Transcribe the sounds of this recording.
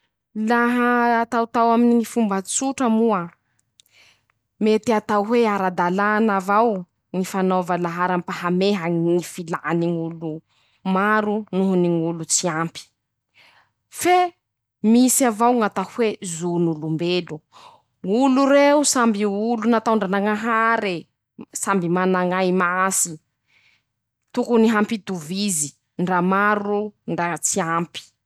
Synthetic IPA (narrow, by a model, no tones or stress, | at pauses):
laɦəːt̪awt̪awaminiŋifumbat͡suʈ͡ʂəmua | met̪iat̪auɦweaɾad̪alanavaw | ŋifanovalaɦaɾampaɦameɦaŋifilaniŋulu | maɾunuɦuniŋulut͡siampi̥ | fe | misiavawŋat̪ahwezunulumbelu | ŋuluɾeusambiulunat̪awɳɖ͡ʐanaŋaɦaɾe | sambimanaŋajmasi | t̪ukuniɦampid̪uvizi | ɳɖ͡ʐamaɾuɳɖ͡ʐat͡siampi̥